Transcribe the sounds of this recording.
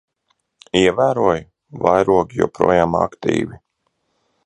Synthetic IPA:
iɛvæːɾuɔj | vajɾuɔkʲijṵpɾṵɔjaːma̰kt̪ḭːvi

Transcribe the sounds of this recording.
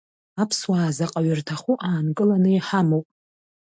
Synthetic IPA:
apʰswaːzaqʼaɥɪrtʰaχuʔaːnkʼɨlanɨiħamowpʼ

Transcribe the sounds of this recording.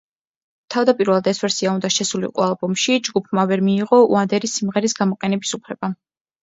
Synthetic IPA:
t̪ʰavd̪apʼiɾvɛlˠad̪ɛsvɛɾsiaund̪aʃɛsulḭqʼwalˠbɔmʃid͡ʒɡupʰmavɛɾmiːʁɔṵand̪ɛɾisːimʁɛɾisɡamɔqʼɛnɛbisupʰlɛba

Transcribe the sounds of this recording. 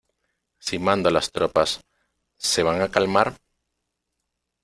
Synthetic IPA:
simãnd̪alast̪ɾopasː | e̞β̞aŋakalmaɾ

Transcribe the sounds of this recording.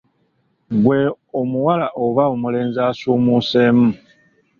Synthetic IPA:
ɡwe | omuwalaʔoβaomule̞ːnzaːsuːmuːseːmu

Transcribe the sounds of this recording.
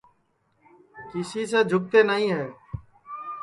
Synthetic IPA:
kɪsiːseːd͡ʒʱʊk̚t̪eːnəɦĩːɦɛː

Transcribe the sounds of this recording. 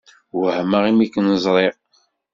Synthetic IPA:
wəhmaʁimikːnəzˤɾˤeʁ

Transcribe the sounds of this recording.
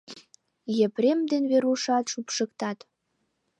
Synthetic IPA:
jepɾemd̪enβeɾuʃɑt̪ʃupʃə̆kt̪ɑt̪

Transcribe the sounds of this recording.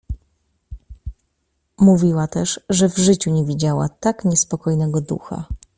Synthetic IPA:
muvʲiwat̪ɛʂʐɛvʐɘt͡ɕuɲɛvʲid͡ʑawa̰t̪akɲɛspɔkɔjnɛɡɔd̪ṵxa̰

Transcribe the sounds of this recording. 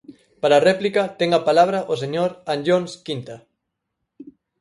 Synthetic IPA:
paɾaːrɛplikɐt̪ɛŋapalaβ̞ɾɐʔos̬eɲoɾanʎonskint̪a

